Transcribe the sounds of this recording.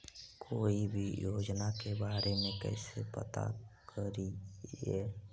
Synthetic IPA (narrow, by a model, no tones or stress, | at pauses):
kʰoːibʱijoːd͡ʒnakebaːɾemẽkɛ̰ːsepə̰t̪a̰kʰəɾiɛː